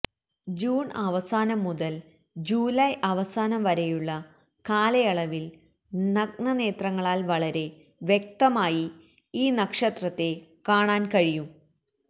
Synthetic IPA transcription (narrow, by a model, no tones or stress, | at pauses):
d͡ʑuːɳɐʋɐsaːnɐmːuðɐl | d͡ʑuːlɐjɐʋɐsaːnɐmʋɐɾejuɭːɐ | kaːlɐjɐɭɐʋil | nɐɡɳɐne̞ːt̪rɐŋːɐɭaːlʋɐɭɐɾe̞ | ʋjek̚t̪ɐmaːji | iːnɐkʂɐt̪rɐt̪ːe̞kaːɳaːnkɐɻijum